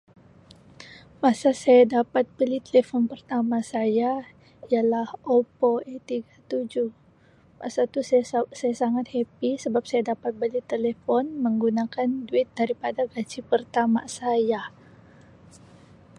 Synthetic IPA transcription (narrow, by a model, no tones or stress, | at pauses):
masasajadapat̪̚bəlit̪elefɔnpərt̪amasaja | ialahopoɛt̪iɡat̪ud͡ʒuh | ma̰sat̪usajasaŋat̪̚hepisəbap̚sajadapat̪̚bəlit̪elefɔnməŋɡunakanduɪt̪̚daɾipadaɡad͡ʒipərt̪ama̰saja